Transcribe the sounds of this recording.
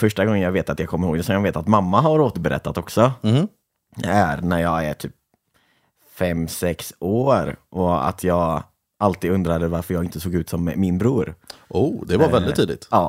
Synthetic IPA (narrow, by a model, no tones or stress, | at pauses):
fœʂʈaɡɔŋːənjaːɡveːt̪at̪jɑːɡkʰɔmːəɾhoːɡd̪ɛsɔkanveːt̪at̪mamːaɦaɾoːt̪əɾbɛɾɛ̰t̪ːat̪ɔksɔ | d̪ɛæɾnæɾjɑːɡæ̰ʈʰy̰ːp̚ | fɛmːsɛksoːɾʔɔa̰t̪ʰjɑːɡ | alt̪iːd̪ɵnd̪ɾad̪əvaɾfœɾjɑːɡɪnt̪əsoːɡʉ̟ːt̪sɔmːɪnbɾuːɾuːd̪ɛvaɾvɛld̪ɪt̪ʰːiːd̪ɪt̪ɑː